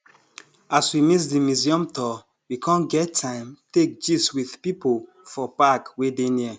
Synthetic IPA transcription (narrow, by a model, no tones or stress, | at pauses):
aswimis̬dimjuziɔ̃mtɔ | wikʰɔ̃nɡɛtʰːãɪ̃mtek̚d͡ʒiswið̥pipo | fɔpakwedeni